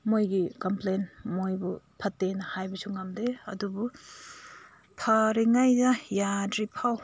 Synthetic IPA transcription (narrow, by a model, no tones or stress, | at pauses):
mojɡikɐmplenmojbupʰɐtːenɐhajbɐsuŋamdeɐ̰dubu | pʰɐɾiŋajdɐjadɾipʰaw